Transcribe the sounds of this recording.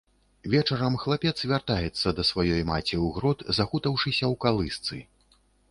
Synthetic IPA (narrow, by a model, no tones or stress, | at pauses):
vʲɛt͡ʂɐɾɐmxlˠapʲɛt̪svʲart̪ajɛt̪sːɐd̪ɐsvajɔjma̰t͡sʲiwɣɾɔt̪zaxut̪ɐwʂɨsʲɐwkalˠɨst̪sɨ